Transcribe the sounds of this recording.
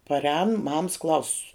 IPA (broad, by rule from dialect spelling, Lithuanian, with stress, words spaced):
pɐrʲˈɛːnʊ mɐms ˈklˠɐʊsʊ